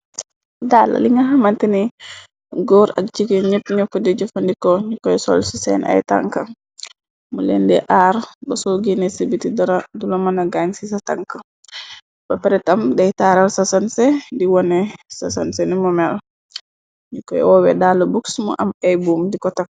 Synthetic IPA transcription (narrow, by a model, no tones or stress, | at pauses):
dala̰liŋaɦamanteni | ɡɔːɾa̰k̚d͡ʒikɔɲəp̚ɲɔkːɔdid͡ʒɔfandikɔɲukːɔjɛsɔ̰lsɔsɛ̰ːnʔa̰jta̰ŋka | mulɛ̰ndɛ̰ʔaːɾbasɔɡinɛsebitidaɾadulomanaɡaɲsisata̰ŋka | b̥apɛɾɛtamdɛjtaːɾalsasansɛdiwɔnɛsasansɛnimɔmɛl | ɲukːɔjɛ̰ɔːwɛ̰dalɐbuksmɔ̰ʔamɛjbuːmdikɔtak̚